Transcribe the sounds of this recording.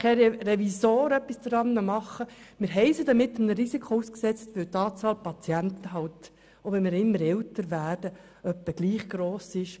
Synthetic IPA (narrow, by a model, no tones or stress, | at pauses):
χɛɾrɛvisoːɾœpːisdɾɑnːəmɑχːəmɪːɾɦɛɪsidɑmɪt̪ːəmnəɾizikχouːsksɛt͡stʋɪlt̪ɑːt͡sɑːlpɑt͡sjænt̪əɦɑlt | ovɛnmɪːɾɪmːəɾɛltəɾvæːrdə | œpːəɡ̥liːχɡ̥ɾoːsɪʃ